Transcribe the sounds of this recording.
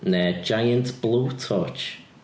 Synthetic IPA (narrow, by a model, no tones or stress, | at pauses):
nɛd͡ʒajə̃ntb̥luːtʰɔt͡ʃ